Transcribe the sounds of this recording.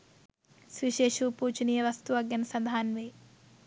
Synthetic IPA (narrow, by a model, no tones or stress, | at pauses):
sʋiʃeːʃuːpuːt͡ʃinijɐʋɐst̪uʋɐɡjɐnsɐnd̪ʱaːnʋeː